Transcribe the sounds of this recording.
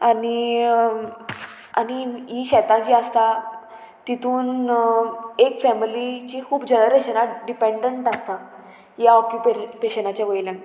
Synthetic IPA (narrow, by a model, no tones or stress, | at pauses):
añi | a̰ñiiɕɛt̪ãt͡ɕiːəst̪a | t̪it̪ʰuːn | ekfɛmilit͡ɕikʰuːbd͡ʑenəɾeɕənaɖipeɳɖəɳʈəst̪a | jaɔkjupepeɕənat͡ɕjaʋəjlãn